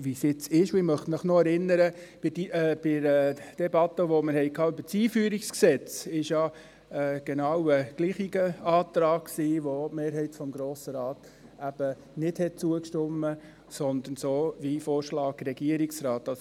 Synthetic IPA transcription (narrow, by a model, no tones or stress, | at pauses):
ʋisjɪt͡sɪʃʊɪmœχtmɪχnɔɛɾɪnːəɾəb̥ɪdib̥ɪɾd̥ɛbɑt̪ːəʋoməɾhɛjkʰɑːybət͡siːfyːəɾiksksɛt͡sɪʃjɑ | əɡ̥enɑwəɡ̥liːχiɡ̥əɑːt̪ɾɑːkksiːʋotmeːɾɦɛɪtfɔmɡɾoːsəɾɑːt̪ | æb̥ə | nɪthɛt̚t͡suəkʃtʊmːə | sɔnd̪ənsoːvifoːɾʃlɑːk̚dɾɛɡiəɾiksɾɑːt̪ɑs